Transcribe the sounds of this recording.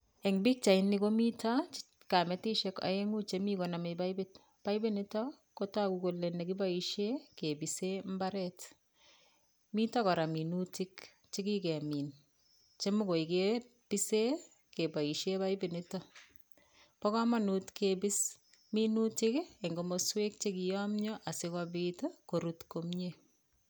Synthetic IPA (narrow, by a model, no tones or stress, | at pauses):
ɛŋbɪk̚t͡ʃainɪkomita | kamɛtiʃɛka̰eŋut͡ʃemikonamebaibɪt | paibɪnɪtɔ | kotakukolːenekibaiʃekebisembaɾɛt | mitɔkɔɾaminutɪk | t͡ʃikikɛmin | t͡ʃemokoike | pise | kebaiʃebajbɪnɪtɔ | pɔkamanutkebis | minutikeŋɡomoswek̚t͡ʃekijɔmɲɔʔasɪkɔbitokoɾutkomɲe